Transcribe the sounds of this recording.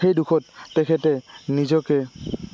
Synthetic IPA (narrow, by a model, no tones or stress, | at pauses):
xejdukʰɔtːɛkʰɛtɛnizɔkɛ